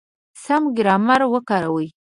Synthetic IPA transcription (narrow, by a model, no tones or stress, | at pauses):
samɡɪɾɑmaɾwəkɑɾawəj